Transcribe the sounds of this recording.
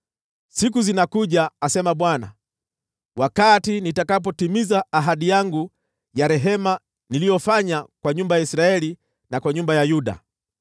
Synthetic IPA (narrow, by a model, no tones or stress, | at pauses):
sikuzinakuʄaːsɛmaɓwana̰ | wakatinitakap̬ɔtimizaːɦaɗijaŋɡu | jaɾɛɦɛma | nilijɔfaɲakwaɲumbajaisɾaɛli | nakwaɲumbajajuɗa̰